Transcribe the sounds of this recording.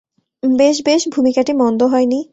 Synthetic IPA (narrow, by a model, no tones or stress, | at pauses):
beʃbeʃbʱumikaʈimɔnd̪oɦɔeni